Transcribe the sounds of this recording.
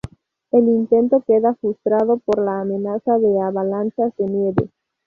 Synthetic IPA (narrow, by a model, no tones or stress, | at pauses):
e̞lint̪e̞nt̪okeðafɾust̪ɾaðo̞poɾlaːmenasaðeaβalansazðe̞mjeβḛ